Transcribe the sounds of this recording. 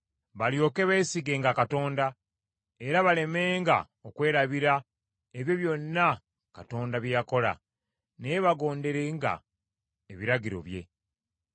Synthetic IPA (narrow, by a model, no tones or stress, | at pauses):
βaljo̞ːke̞βeːsiɡe̞ːŋɡakato̞ːnda | e̞ɾaβale̞me̞ːŋɡa̰ | okwe̞ːɾaβiɾa | eβjo̞βjo̞nːa | kato̞ːndaβjjako̞la̰ | neβaɡo̞ːnde̞ɾeŋɡa̰ | eβiɾaɟiɾo̞̰βje̞̰